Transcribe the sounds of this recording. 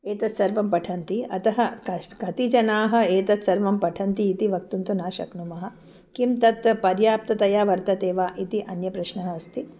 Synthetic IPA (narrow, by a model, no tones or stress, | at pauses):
eːt̪ɐt̪sɐɾʋɐmpɐʈʰɐnt̪iɐ̰t̪ɐɦɐkɐkɐt̪id͡ʒɐnaːɦɐ̆eːt̪ɐt̪sɐɾʋɐmpɐʈʰɐnt̪iːt̪iʋɐk̚t̪unt̪unaːʃɐ̰knumɐɦɐ̆ | kimt̪ɐt̪pɐɾjaːp̚t̪ɐt̪ɐjaːʋɐɾt̪ɐt̪eːʋaːʔit̪iʔɐnjɐpɾɐʃnɐɦɐɐst̪i